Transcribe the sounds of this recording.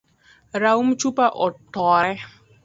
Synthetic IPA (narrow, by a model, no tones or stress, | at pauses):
ɾaumt͡ʃupaʔɔt̪ɔɾɛ